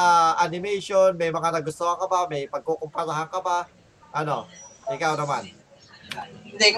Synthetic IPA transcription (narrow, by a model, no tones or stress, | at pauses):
aʔanɪmɛjʃonmɛjmɐŋanɐɡʊst̪oɐŋkɐbamɛjpɐɡ̚kokʊmpɐsaɦaŋkɐpa | ʔɐnoʔɪkawnɐman